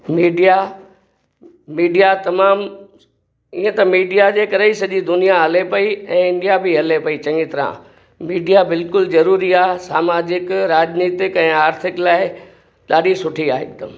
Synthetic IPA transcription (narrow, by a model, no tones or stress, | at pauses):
miːɖija | miːɖijat̪ɐmaːm | iːẽt̪ɐmiːɖijad͡ʑeːkɐɾeisɐʄid̪ʊnijaɦɐlepɐiɛ̃ːɪ̃nɖijabɪɦɐlepɐit͡ɕɐ̃ŋɡit̪ɐɾã̰ | miːɖijabɪlkʊlzɐɾuːɾiaːɦsaːmaːd͡ʑɪkɾaːd͡ʑniːt̪ɪkɛ̃ːaːɾt̪ʰɪklaːɪ | ɗaːɗisʊʈʰiaːɪ̰k̚d̪ɐm